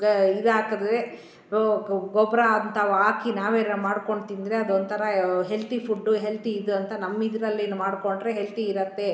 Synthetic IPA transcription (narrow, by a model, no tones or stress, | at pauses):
id̪aːkɐd̪ɾe | ɡɔbɾɐd̪t̪ʰaːʋuaːkinaːʋeːɾɐmaːɽko̞ɳɖt̪ind̪ɾeɐd̪ond̪t̪ʰɐɾɐɦelt̪ipʰuɖːuɦelt̪iːd̪uɐnt̪ɐnɐmːid̪ɐɾɐlːenumaːɽko̞ɳɖɾeɦelt̪iːɾɐt̪ːe̞